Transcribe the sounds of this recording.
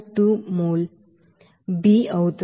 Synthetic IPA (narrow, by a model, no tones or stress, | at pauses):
tumol | biəwt̪